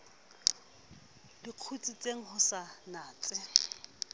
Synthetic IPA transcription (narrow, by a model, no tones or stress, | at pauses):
diq͡χʰut͡sʼit͡sʼeŋ̩hʊsanaːt͡sʼɪ